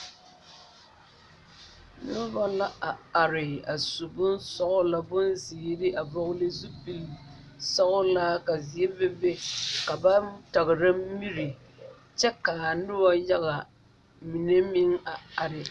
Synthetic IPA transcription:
nʊ˦ba˦la˦a˨a˨ɾɪ˨a˨su˨bʊ˦nsɔ˦ʔʊ˦la˦bʊ˦nzɪː˨˦dɪ˦ʔa˨bɔ˦ɣʊ˦lɪ˦zu˦pi˨l | sɔ˦ʔʊ˦laː˦ka˨zi˨e˦bɛ˦be˦ka˨ba˦ta˨ɣɪ˨ɾa˦mi˦ɾi˨ | t͡ʃɛ˦ka˨nʊ˦wa˦ja˦ɣa˨ | mi˨ne˦mɪ˦ŋa˨a˨ɾɪ˨

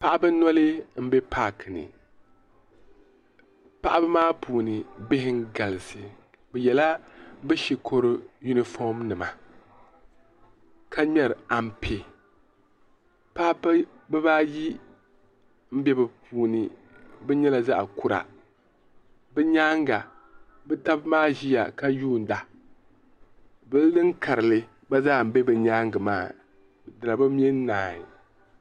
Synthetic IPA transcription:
pa˦ʔa˦bɨ˦nɔ˦lɨ˦m̩˦be˦pʰa˦knɨ̰˨ | pa˦ʔa˦bɨ˦maː˦puː˨nɨ˨bɪ˦hɪ˦ŋ˦ɡa˨lɨ˨sɨ˨ | bɛ˨jɛ˨la˦bɨ˦ʃi˨kʰo˦ɾɨ˦ju˦ni˦fɔ˦mnɨ˨ma̰˨ | kʰa˦ɲɛ˦ɾɨ˨a˨m˦˨pʰe˨ | pa˦ʔ | bɨ˦baː˦ji˦ | m̩˦bɛ˦bɨ˨puː˦nɨ˦ | bɛ˦ɲɛ˦la˨za˦ʔku˨ɾa̰˨ | bɨ˦ɲaː˦ŋɡa˨ | bɨ˦ta˦bmaː˦ʒi˦ja̰˨ka˦juː˦˨n̩˨da˨ | bɨ˦llɨ˦ŋ˦ka˨ɾɨ˨lɨ˦ | ba˦zaː˦˨m̩˨˦bɛ˦bɨ˨ɲaː˦ŋɡɨ˨maː˦˨ | dɨ˨la˨bɨ˦m˦ɛ˦n˦naː˨i˨

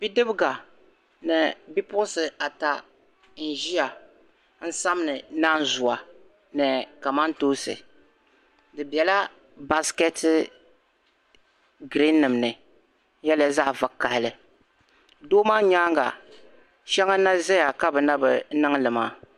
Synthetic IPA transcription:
bi˦dɨ˦bɨ˦ɡa˨ | nɨ˨bi˦pʊ˦ʊ˦sɨ˨a˨ta˨ | n̩˨ʒi˦a˨ | n̩˦sa˦m˦nɨ˨naː˦n˦zʊ˨a˨ | nɨ˨ka˨ma˦n˦toː˦sɨ̰˨ | dɨ˨bɛ˨la˦ | ba˦skɛ˦tɨ˦ | ɡɾi˦nːɨ˨mnɨ˨˦ | jɛ˦lja˦za˦va˨ka˨hɪ˨lɨ˨ | doː˦maː˦ɲaː˦ŋɡa̰˨ | ʃɛ˦ŋa˦na˦zɛ˦ja˨ka˦bɨ˨na˦bɨ˨˦nɨ˦ŋ˦lɨ˨ma̰ː˦

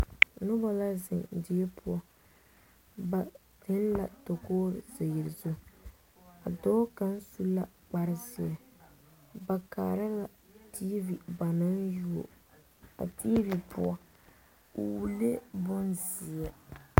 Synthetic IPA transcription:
nʊ˦ba˦la˦zɪ˨ŋdɪ˨ɛ˦pʰʊ˦ɔ˨ | ba˨ | dɪ˦n˦la˨to˨koː˦ɾze˨jɪ˨ɾzʊ˦˨ | a̰˨dɔ˦ka˦n˦su˦la˦ | k͡pa˦ɾɪ˦zɪ˨ɛ˨ | ba˨ka̰ː˨ɾa˦la˨ | ti˦bi˨ba˨na˦nju˦o̰˨ | a̰˨ti˦bi˨pʰʊ̰˦ɔ˦ | u˨wle˦bʊ˦nzi˨ɛ˨

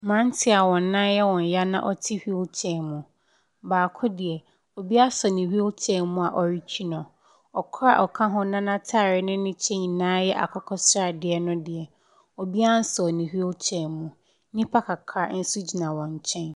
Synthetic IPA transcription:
mã˦n˦tʰɪ˦a˨wɔ̃˨nːã˦jɛ˦wɔ̃˨ɲ˨ja˦nã̰˦ʔɔ˨tʰi˦hi˦o˦lt͡ɕʰɛ̃˨nmʊ̃˨ | baː˨kʰʊ˦dɪ˨ɛ˨ | o˨bi˦a˦sɔ˨nĩ˨hi˦o˦lt͡ɕʰɛ̃˦nmʊ̃˦a˨ʔɔ˨ɾi˦t͡ɕʰᶣi˦nɔ̃˨ | ɔ˨kʰɾa̰˦ʔɔ˨kʰã˦ɦʊ̃˦nã˦nã˦tʰa˦˨ɾɪ˦nɪ̃˦nɪ̃˦t͡ɕʰɛ̃˦ɲĩ˨nãː˦jɛ˦ʔa̰˨kʰɔ˦kʰɔ˦sɾa˦˨dɪ˨ɛ˨nʊ̃˦dɪ˨ɛ˨ | o˨bi˦a˦n̩˦sɔ˨nĩ˨hi˦o˦lt͡ɕʰɛ̃˨nmʊ̃˨˦ | nĩ˦pʰa˦kʰa˨kʰa˦n̩˦su˦d͡ʑi˨nã˨wɔ̃˨ɲ˨t͡ɕʰɛ̃˦n

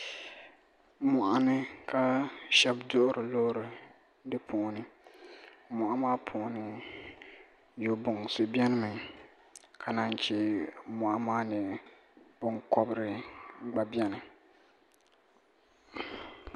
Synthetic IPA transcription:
mʊ˨ʔa˨nɨ˦ka˦ʃɛ˦bdʊ˦ʔʊ˦ɾɨ˨lo˦ɾɪ˨ | dɨ˦pʰʊ˨nɨ˨ | mʊ˨ʔa˦maː˦pʰʊ˨˦nɨ˨ | jo˨bʊ˨ŋsʊ˨bjɛ˦nɨ˦mɨ˨ | kʰa˨na˦nt͡ʃɛ˦mʊ˨ʔa˦maː˦nɪ˨ | b̥ʊ˦ŋkɔ˦bɾɪ˨ɡ͡ba˨bi˦ɛ˦nɨ˨

